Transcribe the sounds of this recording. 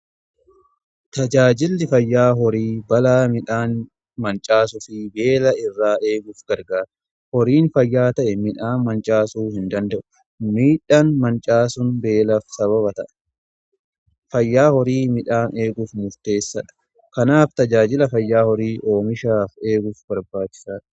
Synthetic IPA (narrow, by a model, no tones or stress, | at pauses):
t̪ɐd͡ʒaːd͡ʒɪlːɪfɐjːaːɦɔɾiːbɐlaːmɪᶑaːn | mɐnt͡ʃʼaːsʊfɪbe̞ːlɐɪrːaːʔe̞ːɡʊfɡ̥ɐɾɡaːɾɐ | hɔɾiːnfɐjːaːt̪ɐʔɛmɪᶑaːnmɐnt͡ʃʼaːsuːhɪnd̪ɐnd̪ɐʔʊ̥ | miːᶑanmɐnt͡ʃʼaːsʊnbe̞ːlɐfsɐβɐβɐt̪ɐʔɛ̥ | fɐjːaːhɔɾiːmɪᶑaːnʔe̞ːɡʊfmʊɾt̪e̞ːsːɐᶑɐ̥ | kɐnaːft̪ɐd͡ʒaːd͡ʒɪlɐfɐjːaːhɔɾiːʔo̞ːmɪʃaːfe̞ːɡʊfbɐɾbaːt͡ʃɪ̥saːᶑɐ̥